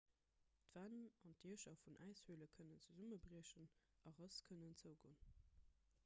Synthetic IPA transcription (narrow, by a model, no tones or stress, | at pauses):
tv̥anɑntiəʃɐfunʔæɪshuələkʰənənt͡səzuməbʁiəɕən | ɑʁəskʰənənt͡səʊɡo̰n